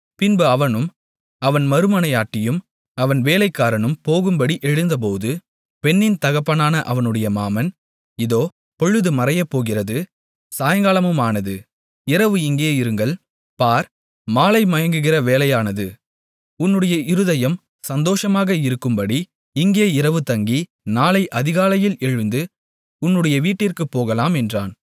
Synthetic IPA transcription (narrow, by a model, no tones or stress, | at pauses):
pɪnboɐʋɐnɯm | ɐʋɐnmɐɾɯmɐnɐɪjaːʈːɪjɯm | ɐʋɐnʋeːlɐɪkːaːɾɐnɯmpoːɣɯmbɐɽiʔɛɻɯnd̪ɐp̬oːðɯ | pɛnːɪnt̪ɐɣɐpːɐnaːnɐʔɐʋɐnɯɽɐjɐmaːmɐn | ɪðoː | pɔɭːɯðɯmɐɾɐjɐpːoːɣɪrɐðɯ | saːjɐŋɡaːlɐmɯmaːnɐðɯ | ɪɾɐʋɯɪŋɡeːɪɾɯŋɡɐɭ | paːɾ | maːlɐɪmɐjɐŋɡɯɣɪrɐʋeːlɐjaːnɐðɯ | ʊnːɯɽɐjɐʔɪɾɯðɐjɐm | sɐnd̪oːʂɐmaːɣɐɪɾɯkːɯmbɐɽi | ɪŋɡeːɪɾɐʋɯt̪ɐŋɡi | naːlɐɪʔɐðɪɣaːlɐjɪlɛɻɯnd̪ɯ | ʊnːɯɽɐjɐʋiːʈːɪrkɯpːoːɣɐlaːmɛndraːn